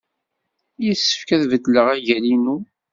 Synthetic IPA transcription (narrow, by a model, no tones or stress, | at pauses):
jisːə̥fkæðvəd̪ləʁæʝælinu